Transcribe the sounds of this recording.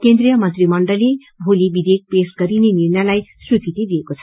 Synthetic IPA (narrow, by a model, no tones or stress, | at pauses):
kend̪rijʌmʌnt̪rimʌɳɖʌli | bʱolibid̪ek̚pesɡʌɾineniɾnʌlajswukit̪id̪iekot͡sʰʌ